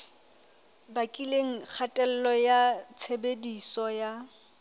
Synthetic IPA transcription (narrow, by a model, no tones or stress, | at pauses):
bakʼileŋ̩k͡xʰatʼɛl̩lɔjat͡sʰebedisɔja